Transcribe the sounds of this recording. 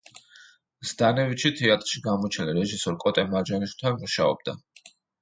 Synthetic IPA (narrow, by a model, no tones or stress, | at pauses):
z̥d̪anɛvit̪ʃit̪ʰɛat̪ʼɾʃiɡamɔt͡ʃʰɛnliɾɛʒisɔɾkʼɔt̪ʼɛmaɾd͡ʒaniʃu̥t̪ʰanmuʃaɔ̰b̚d̪a